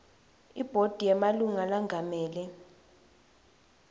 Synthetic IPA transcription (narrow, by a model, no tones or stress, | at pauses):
ib̥ʱod̥ʱijɛmaluŋalaŋʱamɛːlɛ